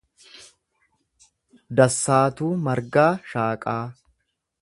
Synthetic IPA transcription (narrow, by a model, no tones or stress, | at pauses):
d̪ɐsːaːt̪uːmɐɾɡaːʃaːkʼaː